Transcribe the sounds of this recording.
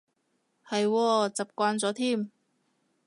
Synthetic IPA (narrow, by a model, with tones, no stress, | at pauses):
hɐ˨jwɔː˧t͡sɐ˨p̚kʷaː˧nt͡sɔː˨˥t̪ʰiː˥˩m